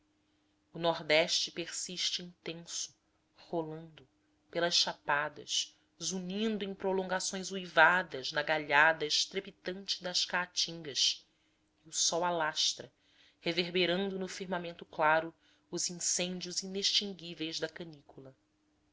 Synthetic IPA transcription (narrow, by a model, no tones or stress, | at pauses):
ʊnɔɾd̪ɛʃt͡ʃɪpeɾsiʃt͡ʃɪĩnt̪ẽsʊ̥ | holɐ̃nd̪ʊ | pelɐsʃapad̪ɐ̰ʃ | zuɲĩnd̪ʊẽj̃pɾolõŋɡasõj̃zujvad̪ɐznɐɡaʎad̪ɐɪʃt̪ɾepit̪ɐ̃nt͡ʃɪd̪ɐʃkaːt͡ʃĩŋɡɐʃ | ɪʊsɔwalaʃt̪ɾɐ | heveɾbeɾɐ̃nd̪ʊnʊfiɾmamẽnt̪ʊklaɾʊː | zĩŋsẽnd͡ʒiʊzineʃt͡ʃĩŋɡivejzd̪ɐkɐnikulɐ